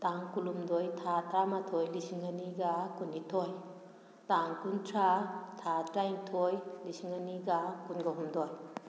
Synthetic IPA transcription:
taŋkulumdojtʰatʰamatʰɔjlisiŋaniɡakunːitʰoj | taŋkuntʰɾatʰatɾaiŋtʰojlisiŋaniɡakunɡaɦumdɔj

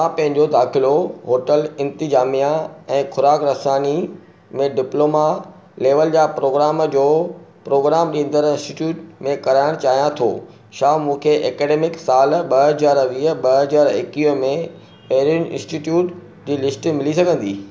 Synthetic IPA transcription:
mãpɐ̃ɦɪ̃ɲd͡ʑod̪aːxɪloɦoːʈəlɪ̃nt̪ɪzaːmijãɛ̃ːxʰʊɾaːkɾɐsaːni | mẽɖɪploːma | leːʋəld͡ʑaːpɾoːɡɾaːmd͡ʑoːpɾoːɡɾaːmɗĩːnd̪əɾɪ̃nsʈiʈjuːʈmẽkɐɾaːɪɽ̃t͡ɕaːɦijãt̪ʰo̰ː | ʃaːmũːkʰeʔeːkeːɖeːmɪksaːlɓɐɦɐzaːɾʋiːəɓɐɦɐzaːɾɪkiːɦmẽ | pɐ̃ɦɪɾjʊnɪʔɪ̰̃nsʈiʈjuːʈ | d͡ʑiːlɪsʈmɪlisɐɡʱə̃nd̪iː

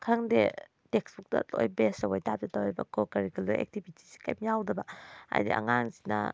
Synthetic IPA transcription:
kʰaŋde | teksbuk̚ta̰to̰jbesawajtap̚zetawjbɐ̰kʰɔkaɾikalojḛk̚tibitʰi̥si̥kʰa̰jmjawdɐbaa̰jdḭʔa̰ŋaŋsi̥na̰

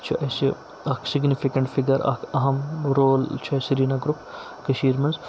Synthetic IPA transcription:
t͡ʃʰiɐsi | ɐksiɡnifikɐɳʈfʰiɡɐɾɐ̰kʰɐɦɐmɾoːlt͡ʃʰiɐsiɾiːnaɡɾup | kɐʃiːɾmɐnz

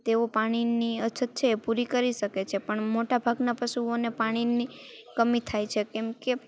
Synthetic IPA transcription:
t̪eopaɽ̃iniət͡ʃʰət̪̚t͡ʃʰeːpuɾikəɾiʃəket͡ʃʰepəɳmoʈabʱaɡnapəʃuonepaɽ̃ini | kəmit̪ʰajt͡ʃʰekɛmke

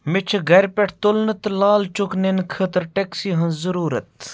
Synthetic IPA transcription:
mɪt͡ʃʰɡɐɾʲpʲeʈʰt̪ʊlnɨt̪laːlt͡ʃʊknenkʰət̪ɾʈeksiːɦɐnzɐɾuːɾɐt̪

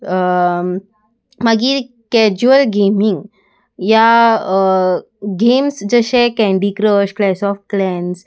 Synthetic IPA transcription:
maɡi | kɛd͡ʑuəlɡemiŋɡ | ja | ɡemsd͡zəɕɛ̃kɛ̃ɳɖikɾəɕklɛsɔfʈ̚klɛns

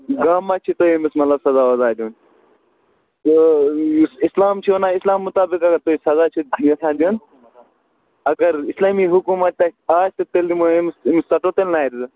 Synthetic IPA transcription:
ɡaːmːat͡ʃʰit̪oemismɐt̪lɐbsɐzaːɐzad̪iun | t̪o | sislaːmt͡ʃʰionaislaːmːut̪aːbikɐɡɐɾt̪oisɐzaːt͡ʃʰijesãːnd̪in | ɐɡɐɾislaːmiɦukumɐt̪̚t̪aaːst̪ɐt̪eld̪imoemsmissɐʈot̪elnaːjɾid̪u

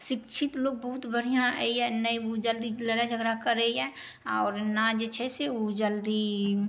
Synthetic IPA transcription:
ʃɪkt͡ʃʰɪt̪loːɡ̚bəɦʊt̪bəɽ̤ijãiɛ̃nəiod͡ʒəld̪iləɾad͡ʒʱəɡɾakəɾəiɦɛ̃ | ɔːɾnad͡ʒet͡ʃʰɛseod͡ʒəld̪i

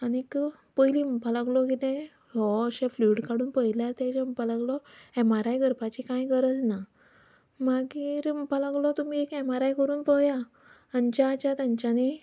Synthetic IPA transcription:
anik | pəjlimpalaɡlɔkit̪ɛ̃ | lɔəɕẽfluʈkaɽuːnpəjljaɾt̪ɛ̃t͡ɕepalaɡlɔɛmaɾajɡʱəɾpat͡ɕikãjkəɾət͡sna | maɡiɾpalaɡlɔt̪umiekɛmaɾajkəɾuːnpəjaː | ɲt͡ɕaːt͡ɕat̪ãɲt͡ɕani

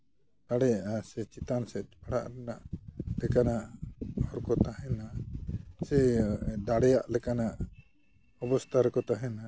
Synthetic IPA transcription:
t̪aɽɛjaʔasɛt͡ʃit̪ansɛbaɽa̰ʔɾɛnaʔlɛkanaʔɔɾkɔt̪ahɛ̃na | sɛdaɽɛjaʔlɛkanaʔ | ɔbɔst̪ʰaɾɛkɔt̪aɦɛna

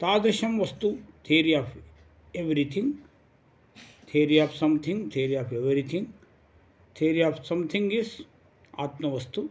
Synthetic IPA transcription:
t̪aːd̪ɐʃɐmʋɐst̪ut̪ʰeːɾiaːf | eʋɾit̪ʰĩŋ | t̪ʰeːɾiaːfsɐ̃mt̪ʰĩŋɡt̪ʰeːɾiaːfeʋɾit̪ʰĩŋ | t̪ʰeːɾiaːfsɐ̃mt̪ʰĩŋɡis | a̰ːt̪mɐʋɐst̪u

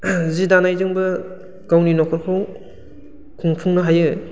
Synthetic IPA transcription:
zidanajzɯŋbɯ | ɡawninɔkʰɔɾkʰaw | kʰuŋpʰuŋnɯɦajɯ

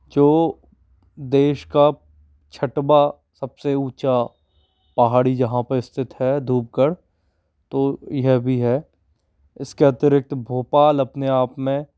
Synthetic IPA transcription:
d͡ʒoː | d̪eːʃka | t͡ʃʰəʈba | səbseuːt͡ʃa | pɐɦaːɽid͡ʒɐɦãpɐɪst̪ʰɪt̪ɦɛd̪ʱuːp̚kəɽ | t̪oːjɛɦbʱiɦɛ | ɪskeɐt̪ɪɾɪk̚t̪bʱoːpaːlɐpneaːpmẽ

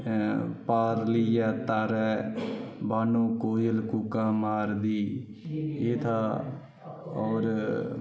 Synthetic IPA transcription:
paːɾlijaːt̪aːɾɛː | baːnõːkoːjəlkukãːmaːɾd̪iː | eːt̪ʰaː | ɔːɾ

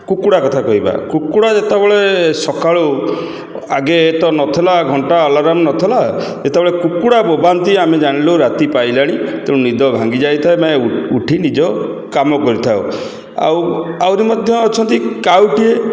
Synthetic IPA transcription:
kukuɽakɔt̪ʰakɔɦiba̰kukuɽad͡ʒet̪ebɔɭesɔkaɭo | aɡeːt̪ɔnɔt̪ʰelaɡʱɔɳʈaːlaɾamɔnɔt̪ʰela | et̪ebeɭekukuɽabobant̪iamed͡ʒaɽ̃iloɾat̪ipajlaɽ̃it̪ẽũnid̪ɔbʱãŋɡid͡ʒajt̪ʰaemaeuʈʰinid͡ʒɔ | kamɔkɔɾit̪ʰaw | a̰wawɾimɔd̪ʱjɔːt͡ʃʰɔnt̪ikawʈie

